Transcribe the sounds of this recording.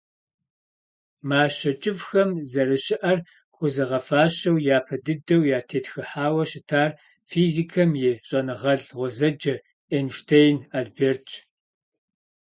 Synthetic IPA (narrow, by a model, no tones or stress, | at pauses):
maːɕɐt͡ʃʼɪvxɐmzɐɾɨɕɪʔɐr | χʷʊzɨʁɐfaːɕɐwjaːpʰɐdɨdɐwjaːtʰeːtxɨħaːwɐɕɪtʰaːr | fiːziːkʰɐmjɪɕʼɐnɨʁɐɮʁʷɔzɐd͡ʒɐ | enʃtʰejnaːɮbeːrt͡ʃʰʼ